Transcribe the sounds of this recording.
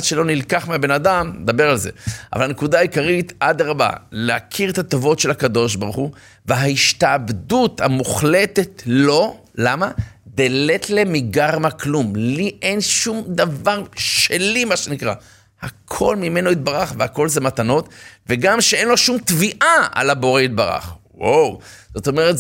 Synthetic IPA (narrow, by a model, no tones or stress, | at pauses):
tʃelo̞nilkaχmeabe̞nadamned̪abe̞ʁalze̞̰ava̰lhanekud̪aːjikaʁit̪ad̪ʁaba̰lehakʰiʁet̪at̪ovo̞tʃe̞lhakad̪o̞ʃ̬baʁχu | veɦaiʃt̪aːbd̪ut̪hamuχlet̪e̞t̪lo̞ | lama | d̪ele̞t̪le̞miɡaʁmaklumliʔe̞nʃumd̪avaʁʃelimaʃenikʁa̰ | hakʰo̞lmime̞noit̪̚baʁaχvehako̞lzemat̪ano̞t̪veɡamʃee̞nlo̞ʃumt̪viʔaa̰labo̞ʁeit̪̚baʁa̰χwawz̥o̞t̪o̞meʁet